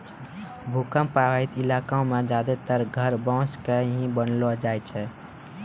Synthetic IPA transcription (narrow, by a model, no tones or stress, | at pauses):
bʱukəmpaaɦit̪ilaːkaõmẽd͡ʒaːd̪et̪əɾɡʱəɾbɔ̃ːskeɦĩbənlod͡ʒaːjt͡ʃʰɛ